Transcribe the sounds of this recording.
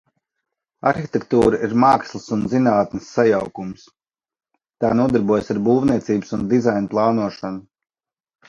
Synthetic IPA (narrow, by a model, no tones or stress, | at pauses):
a̰ɾxit̪ʲɛkt̪uːɾaiɾmaːkslˠɨsunzinaːt̪nəsːajawkums | t̪aːnuɔd̪aɾbuɔjsaɾbuːvniɛt̪siːbəsund̪izajnplˠɑːnuɔʃanu